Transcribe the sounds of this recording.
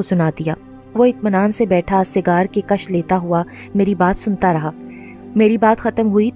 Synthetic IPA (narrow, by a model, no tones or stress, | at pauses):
osʊnaːd̪ijaː | ʋoɪt̪mənaːnsebɛːʈʰasɪɡaːɾkekɐʃleːt̪aɦua | meːɾibaːt̪sʊnt̪aɾɐɦaː | meːɾibaːt̪xɐt̪əmɦui